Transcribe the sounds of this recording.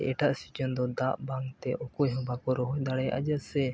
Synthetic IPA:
ʔɛʈaʔsid͡ʒɔnd̪ɔd̪aʔbaŋt̪ɛʔɔkujɦɔ̃bakɔɾɔɦɔjd̪aɽɛʔa̰d͡ʒasɛ

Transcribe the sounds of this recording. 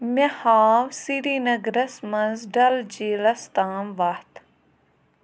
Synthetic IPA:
mehaːwsiɾiːnɐɡɾɐsmɐ̃nzɖɐld͡ʒiːlɐst̪aːmʋɐht̪

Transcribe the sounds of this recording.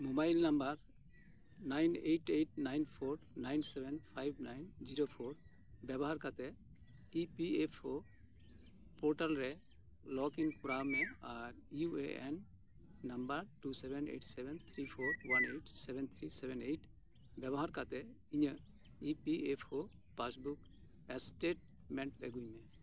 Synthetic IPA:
mubajlnambəɾ | najnejʈejʈ̚najnpʰoɾnajnsɛbʱɛnpʰajbnajnd͡ʒiɾopʰoɾ | bɛbɔɦaɾkat̪ɛ | ipiepʰo | pɔɾʈalɾɛ | lɔkiŋkuɾamɛaɾiueʔɛnː | ambəɾʈusɛbɛnḛʈsɛbɛnt̪ʰɾipʰoɾwanejʈsɛbʱɛnt̪ʰɾisɛbɛnejʈ | bɛbɔɦaɾkat̪ɛ | iɲə | ipiepʰho | pasbuk | ɛsʈeʈ̚ | mɛɳʈɛ̰ɡujmɛ

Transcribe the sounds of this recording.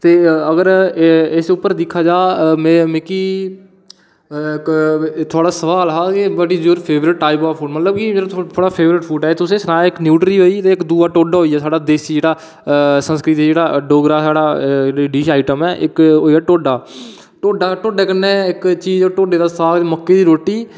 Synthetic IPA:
t̪eːəɡəɾɪsʊpːəɾd̪ɪkʰːaːd͡ʒaːmɛ̃ːmẽːkiː | kt̪ʰʊaːɽaːsəʋaːlɦaːkibəɖiːd͡ʒuːɾpʰeːʋɾɪʈːaːɪpaːpʰuːɖmət̪ləbkimeːɾat̪ʰoːɽaːpʰeːʋɾɪʈpʰuːʈɛːt̪ʊsẽːsənaːɪknjuːʈɾiːɦoːiːt̪eːɪkd̪uːaːʈoːɖaːɦoːiːɛːsaːɖaːd̪eːsid͡ʒeːɽaː | sə̃nskɾɪt̪ːd͡ʒeːɽaːɖoːɡɾaːsaːɽaːɖiːʃaːɪʈəmɛːʔɪkɦoːiaːʈoːɖaː | ʈoːɖaːʈoːɖɛːkənːɛːɪkt͡ʃiːzoːʈoːɖeːd̪aːsəʋaːlt̪ːməkːeːd̪iːɾoːʈːiː

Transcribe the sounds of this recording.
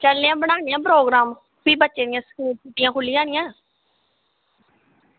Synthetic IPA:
t͡ʃəlniãːbəɽaːnijãːp̬ɾoːɡɾaːm | piːbətːʃeːd̪ɪjãːsəkiːpuʈijãːkʰʊlːiːaːnɪjãː

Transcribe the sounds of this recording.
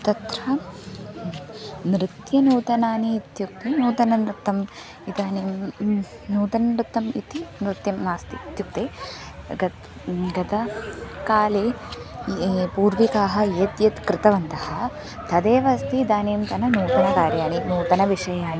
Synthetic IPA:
t̪ɐt̪ɾɐ | nɾɪt̪jɐnuːt̪ɐnaːniːt̪juk̚t̪inuːt̪ɐnɐnɾɨt̪ːɐm | id̪aːniːm | nuːt̪ɐnɐɾɨt̪ːɐmḭt̪inɾɪt̪jɐmnaːst̪it̪juk̚t̪eːɡɐ | ɡɐt̪ɐkaːleː | puːɾʋikaːɦɐ̆eːt̪jɐt̪kɾɪt̪ɐʋɐnt̪ɐhɐ̆ | t̪ʰɐd̪eːʋɐst̪iːd̪aːniːmt̪ɐnɐnuːt̪ɐnɐkaːɾjaːninuːt̪ɐnɐʋiʂɐjaːni

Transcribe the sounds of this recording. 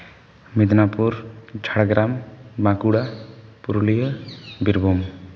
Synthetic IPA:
mid̪ʱnapuɾd͡ʒʱaɽɡɾambãkuɽapuɾulijəbiɾbʱum

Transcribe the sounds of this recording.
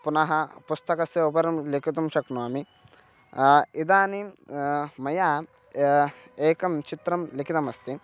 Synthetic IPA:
punɐɦɐpust̪ɐkɐsɐupɐɾɐmlikit̪ɐmʃɐknuaːmi | id̪aːni | mɐjaː | eːkɐmt͡ʃit̪ɾɐmlikʰit̪ɐmɐst̪i

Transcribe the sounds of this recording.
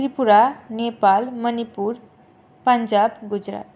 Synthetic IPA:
ɾipuɾanepalmʌnipuɾ | pənd͡zabɡud͡zɾa̰t̪

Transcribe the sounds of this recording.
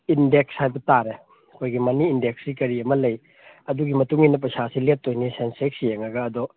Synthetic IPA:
indekshajbɐtaɾe | ɐkʰojɡimɐniːndeksɾikɐɾiɐmɐlɐj | ɐduɡimɐtuŋinɐpɐsasilet̚tːonisensek̚sijeŋɐɡɐːdɔ

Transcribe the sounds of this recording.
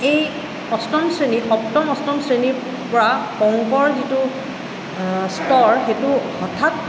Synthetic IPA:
ej | ɔstɔmsɹeniɔktɔmɔstɔmsɹeni | pɔɹapɔŋkɔɹzitu | stɔɹxetu | ɔtʰat

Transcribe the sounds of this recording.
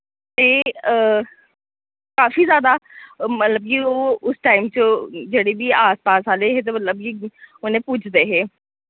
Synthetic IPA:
t̪eː | kaːfiːzjaːd̪aːmət̪ləb̚kioːʊsʈaːɪmt͡ʃəd͡ʒeːɽeːbiːaːspaːsaːleɦɛːt̪̬emət̪ləb̚kiʊnẽːput͡ʃʰd̪eːɦeː

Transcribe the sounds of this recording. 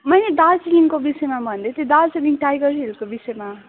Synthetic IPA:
mʌjned̪alsiliŋkobisʌjmabʱʌnd̪et̪jod̪alsiliŋʈajɡʌɾɦelkobisʌjma

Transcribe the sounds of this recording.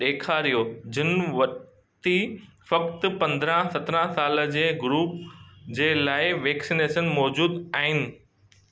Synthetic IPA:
ɗeːkʰaːɾijod͡ʑɪnʋɐ | t̪ifɐkt̪ɪ̆pɐ̃nd̪ɾãsɐt̪ɾãsaːləd͡ʑeːɡɾuːpd͡ʑeːlaːɪʋeːksineːʃənmɔːd͡ʑuːd̪aːɦɪnɪ̆

